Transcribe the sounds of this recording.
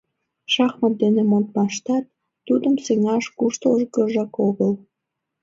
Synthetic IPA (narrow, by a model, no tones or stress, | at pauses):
ʃɑxmɑm̚d̪enemont̪̚mɑʃt̪ɑt̪̚ː | ud̪əmseŋɑʃkuʃt̪oʒkəʒɑkoɣəl